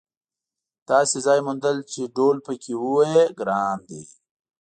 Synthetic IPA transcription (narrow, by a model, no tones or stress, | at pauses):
t̪ɑːsezɑːjmʊnd̪əlt͡ʃeɖoːlpəkʰewuweeɡɾɑːnd̪ḭ